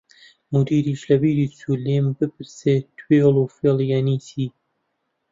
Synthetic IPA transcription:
mud̪iːɾiːʃlɐbiːɾiːsuleːmbɨp̚ɨɾset̪ʰwelˠufeljanisʰiː

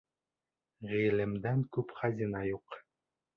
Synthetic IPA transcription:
ʁilɘ̆md̪æŋkʉpχɑzʲinɑjuq

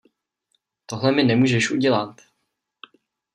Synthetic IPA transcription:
t̪o̞ɦlɛmɪnɛmuːʒɛʃʔuɟɛlat̪

